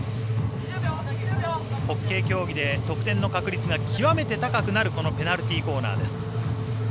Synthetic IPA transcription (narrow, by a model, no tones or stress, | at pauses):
ho̞kːe̞ːkʲo̞ːɡʲid̪e̞t̪o̞kɯ̟̥t̪ẽ̞nːo̞kakɯ̟ɾʲit͡sɨɡakʲʰiβame̞t̪e̞t̪akakɯ̟naɾɯ̟ko̞no̞pe̞naɾɯ̟t̪ʲiːko̞ːna̰ːd̪e̞sɨ̥